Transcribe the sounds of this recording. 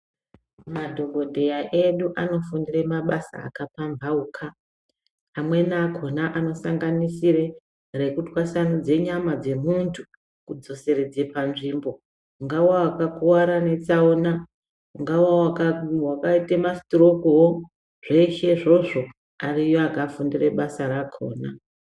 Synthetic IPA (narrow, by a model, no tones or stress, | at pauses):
madʱo̞ɡʱo̞dʱe̞jaʔeɗuʔano̞fundire̞maɓasa̰a̰kapaɱvaukʰaː | mwe̞naːko̞naʔano̞saŋɡanisire̞ | re̞kutwasanud͡ze̞ɲamad͡ze̞muntʰu | kud͡zo̞se̞re̞d͡zepanʐiːmbo̞ | uŋɡawwawakakuwaɾane̞t͡saona | uŋɡawawakawakaitemastorokuwo | ʐ̥e̞iʃe̞ʐo̞ʐo̞ | arijoaɡʱaːfundire̞ɓasaɾakʰo̞̰ːna